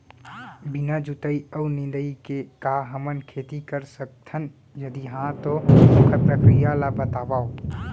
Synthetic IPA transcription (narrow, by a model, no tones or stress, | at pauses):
binad͡ʒut̪əiəunɪ̃nd̪əikekaɦəmənkʰeːt̪ikəɾsək̚t̪ʰən | jəd̪iɦãt̪oməpɾəkɾijalabət̪aːʋaːo